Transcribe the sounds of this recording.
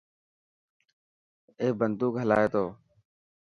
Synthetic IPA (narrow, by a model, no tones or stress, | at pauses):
eːbənd̪uːkɦəla̰ːeːt̪oː